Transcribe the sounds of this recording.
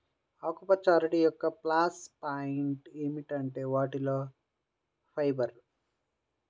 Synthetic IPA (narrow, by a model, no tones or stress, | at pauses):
aːkːupɐt͡ʃːaːlɾeɽijɔkːɐplaːspajiɳʈeːmiʈɐɳʈeːʋaːʈiloː | pʰɐjbɐɾ